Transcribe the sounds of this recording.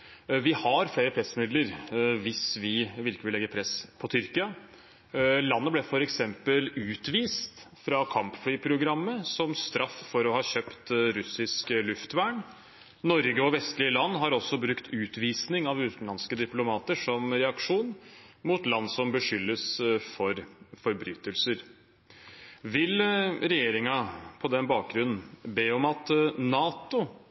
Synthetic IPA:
ʋɪhɑɾfleːɾəpʰɾɛsːmɪd̪ləɾʋɪsʋɪʋɪɾkəʋɪlɛɡːəpʰɾɛspʰɔt̪ʰʏɾkɪɑ | lɑnːəblɛfɔɾɛksɛmpəlʉːt̪ʋiːst̪ | fɾɑkʰɑmpflyːpʰɾʊɡɾɑmːəsɔmst̪ɾʔɑffɔɾɔhɑːɕøːpt̪ɾʉsɪsklʉft̪ʋæːɳ | nɔɾɡəɔʋɛst̪lɪəlɑnːɦɑɾɔsːɔbɾʉkt̪ʰʉːt̪ʋiːsnɪŋɑʋʉːt̪n̩lɑnskəd̪ɪplʊmɑːt̪əʂɔmɾɛɑkʂuːnmuːt̪lɑnːsɔmbəʂʏlːəsfɔɾfɔɾbɾyːt̪əlsəɾ | ʋɪlɾɛjeːɾɪŋɑpʰɔd̪ɛnbɑːk̚ɡɾʉnn̩beːɔmɑt̪nɑːt̪ʊ

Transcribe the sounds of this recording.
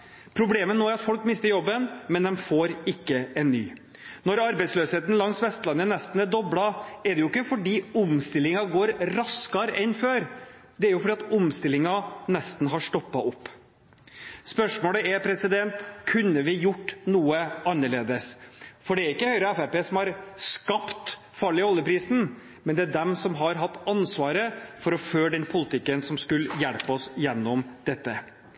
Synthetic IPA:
pʰɾʊbleːmənoːæɾɑt̪fɔlkmɪst̪əɾjɔbːənmɛnd̪ɛmfoːɾɪkːəɛnːy̰ː | nɔɾɑɾbæɪt̪sløːsheːt̪n̩lɑŋsʋɛst̪lɑnːənɛst̪n̩æɖ̪ɔblɑɛɖ̪ɛjʊɪkːəfɔɖiːʊmst̪ɪlːɪŋɑɡoːɾɾɑskɑɾʔɛnføːɾ | d̪ɛæɾjʊfɔɾɖiːɑt̪ʊmst̪ɪlɪŋɑnɛst̪n̩ɦɑʂʈɔpːɑʔɔpː | spœʂmoːləɛpʰɾɛsɪd̪ɛnt̪kʰʉnːəʋɪjʊʈːnuːəɑnːəɭeːd̪əsfɔɖɛæɾɪkːəhœʏɾəɛfæpeːsɔmhɑɾskɑpt̪ | fɑɭɪɔlːəpʰɾiːsn̩ | mɛnd̪ɛːd̪ɛmsɔmɦɑɾɦɑt̪ːɑnsʋɑːɾəfɔɾɔføːɖ̪ɛnpʰʊlɪt̪ʰɪkːənsɔmskʉljɛɽpɔsjɛnːɔmd̪̥ɛt̪ːə

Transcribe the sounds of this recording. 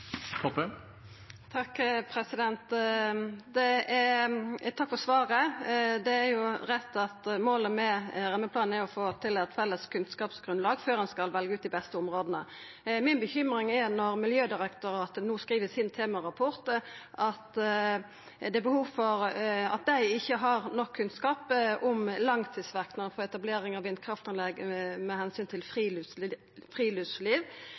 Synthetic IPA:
hɔpə | t̪ʰɑkːpʰɾɛsɪd̪ɛnt̪ | d̪ɛɛt̪ʰɑkːfɔʁɔsʋɑːʁəd̪ɛæɾjʊʁɛt̪ːɑt̪moːləmɛʁɛmːəpʰlɑːn̩ɛɾɔfoːt̪ʰɪlɛt̪fɛlːəskʉnskɑːpsɡʁʉnlɑːɡføːɾɛnskɑlʋɛlɡəʉːt̪d̪ɪbɛst̪əʊmʁoːd̪ənə | mɪnbəçʏmʁɪŋɛnɔʁmɪljøːd̪ɪʁɛkt̪ʊʁɑːt̪nuːskʁiːʋəsɪnt̪ʰeːmɑʁɑpʰɔʁt̪ʔɑt̪ | d̪ɛbəhuːfɔɾɑ̰t̪̚d̪æɪɪçːəɦɑʁnɔkʰːʉnskɑːpʔʊmlɑŋt̪ʰiːsʋæʁk̚t̪nɔʁɛnfoːɛt̪ɑbleːɾɪŋɑʋʋɪnt̪̚kʰʁɑft̪ɑnlɛɡmɛhɛnsyːnt̪ʰɪlfʁiːl | fʁiːlʉsliːʋ

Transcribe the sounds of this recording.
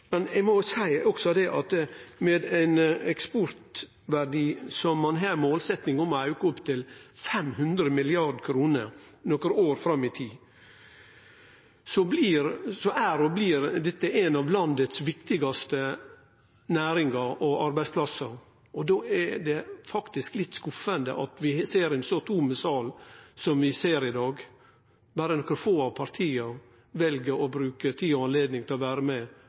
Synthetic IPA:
mɛnɛɡmɔsæɪʔɔksɔd̪ɛʔɑt̪meːd̪æɪnɛkspɔɾt̪ | ʋæɖiːsɔmːɑnɦæːɾmoːlsɛt̪nɪŋɔmɔɑʉkəʊpt̪ʰɪlfɛmhʉnd̪ɾəmɪlɪɑɾd̪kʰɾuːnə̰ɾnɔkəɾəoːɾfɾɑmːɪt̪ʰiː | sɔbliːɾsɔʔæɾɔbliːɾd̪ɛt̪ːəʔæɪnɑʋlɑnd̪ət̪sʋɪkt̪ɪɡɑst̪ə | næːɾɪŋɑɔʔɑɾbæɪspʰlɑsəɾ | ɔd̪ɔːæd̪ɛfɑkt̪ɪsklɪt̪ːskʊfːənd̪ə̰ʔɑt̪ʋɪseːɾɪnsɔt̪ʰuːməsɑːlsɔmʋɪseːɾɪd̪ɑːɡ | bæːɾənɔkːɾɔfoːɑʋpʰɑɾt̪ʰiːɑ | ʋɛlɡəɔbɾʉːkət̪ʰiːɔɑnleːd̪nɪŋt̪ʰɪlɔʋæːɾəmɛ

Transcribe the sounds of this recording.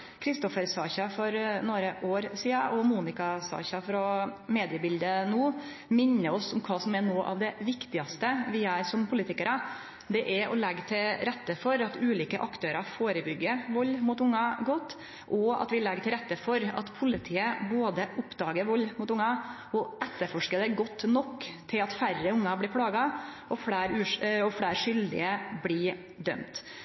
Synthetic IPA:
kʰɾɪst̪ɔfəɾsɑːçɑfɔɾnoːɾəʔoːɾsiːɑʔɔmuːnɪkɑsɑ̰ːçɑfɾɑmeːd̪ɪjəbɪld̪ənuː | mɪnːəɾɔsʊmkʰɑːsɔmɛnoːʔɑ̰ʋd̪ɛʋɪkt̪ɪɑst̪əʋɪæɾsɔmpʰʊlɪt̪ɪkəɾə | d̪ɛʔæʔɔlɛɡːt̪ʰɪlɾɛt̪ːəfɔɾɑt̪ʉːliːkəʔɑkt̪ʰøːɾɑfoːɾəbʏɡːəʋɔlːmʊt̪ʊŋːɑɡɔt̪ː | ʔɔɑ̰t̪ʋɪlɛɡːt̪ʰɪlɾɛt̪ːəfɔɾɑ̰t̪pʰʊlɪt̪ʰiːəboːd̪əʔʊpd̪ɑːɡəɾʋɔlːmʊt̪ʊŋːɑ | ɔʔɛt̪ːəɾfɔʂkəd̪ɛɡɔt̪ːnɔkːt̪ʰɪlɑt̪fæɾːəʊŋːɑblɪpʰɽɑːɡɑʔɔfɽeːɾʉːɔfɽeːɾʂʏld̪ɪ̰əbli | d̪œ̰mt̪

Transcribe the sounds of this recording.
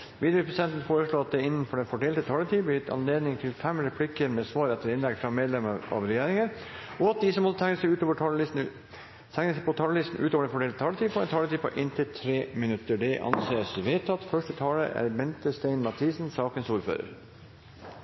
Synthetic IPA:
ʋiːd̪əəpʰɾɛsɪd̪ɛnt̪nfoːɾəʂɭoːɑt̪̚d̪ɛɪnːn̩fɔɖɛnfɔɖeːlt̪ət̪ʰɑːlət̪ʰiːbʏt̪ʰːɑ̰nleːd̪nɪŋt̪ʰɪlfɛmɾɛpʰlɪkəɾmɛsʋɑːɾɛt̪ːəɾɪnlɛɡ̪fɾɑmeːd̪lɛməɑ̰ʋɾɛjeːɾɪŋəɾɔɑt̪̚d̪ɪsɔmɔt̪ːət̪ʰɛŋəsɛɪʉːt̪oːʋəɑɪn̩ | t̪ʰɛŋəsɛɪpʰɔt̪ʰɑːləlɪst̪n̩ʔʉ̰ːt̪oːʋəɖɛnfɔɖeːlt̪ət̪ʰɑːlət̪ʰiːpʰɔɖɛnt̪ʰɑːlət̪ʰiːpʰɔ̰ʔɪnt̪ʰɪlt̪ʰɾeːmɪnʉt̪ːəɖɛʔɑ̰nseːsʋeːt̪ʰɑt̪fœʂʈət̪ʰɑːlə̰ʔæ̰ɾbɛnt̪əst̪ɛɪnmɑt̪ʰiːsn̩sɑːkənsuːɾfø̰ːɾə̰ɾ

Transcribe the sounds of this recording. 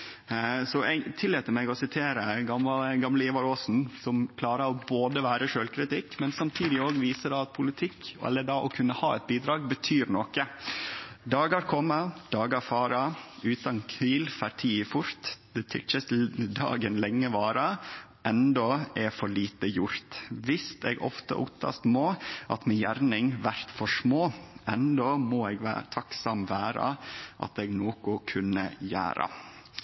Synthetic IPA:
sɔʔɛɡt̪ʰɪlːeːt̪əɾmɛɡɔsɪt̪ʰeːɾəɡɑmɑɡɑmləɪːʋɑɾoːsn̩sɔmkʰlɑːɾɑɾɔboːd̪əʋæːɾəʃøːlkʰɾɪt̪ɪkːmɛnsɑmt̪ʰiːd̪ɪoːɡʋiːsəɖɑɑt̪̚pʰʊlɪt̪ʰɪkːɛ̰lːəɖɑʔɔkʰʉnːəhɑːɛt̪̚biːd̪ɾɑːɡ̚bət̪ʰyːɾnɔkə | d̪ɑːɡɑɾkʰɔmːɑd̪̥ɑːɡɑɾfɑːɾɑʉːt̪ɑnkʰʋiːlfæʈʰiːfʊɾt̪d̪̥ɛt̪ʰɪt͡ʃːəst̪d̪ɑ̰ːɡənlɛŋːəʋɑːɾɑ | ʔɛnd̪ɔʔɛfɔɭiːt̪əjʊɾt̪ʋɪst̪ɛːɡɔ̰ft̪ə̰ʔʊt̪ɑ̰st̪moːʔɑt̪mɛnjæɾnɪŋʋæɾt̪fɔʂmoːʔɛnd̪ɔmoːeːɡʋæ̰ːɾt̪ʰɑksɑmʋæːɾɑ̰ʔɑ̰t̪ɛːɡnoːkʊkʰʉnːə̰jæ̰ːɾɑ̰

